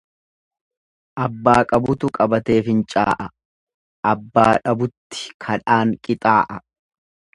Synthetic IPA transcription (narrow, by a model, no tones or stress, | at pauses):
ʔɐbːaːkʼɐbʊt̪ʊkʼɐbɐt̪e̞ːfɪnt͡ʃʼa̰ːʔɐ | ʔɐbːaːᶑɐbʊt̪ːɪ̥kʰɐᶑaːŋkʼɪt̪ʼaːʔɐ